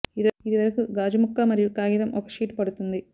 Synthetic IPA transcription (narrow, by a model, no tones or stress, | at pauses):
iðiðiʋɐɾkɨɡaːd͡ʑumukːamɐɾiɭkaːɣiðɐmʔokːɐ̥ʂiːʈːpɐɽut̪ːunðɨ